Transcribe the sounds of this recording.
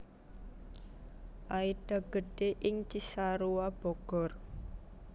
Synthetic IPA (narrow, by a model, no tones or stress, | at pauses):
ʔaid̥a̤ɡ̥ə̤ɖ̥eʔɪŋt͡ʃisaɾuwab̥ɔɡ̥ɔ̤r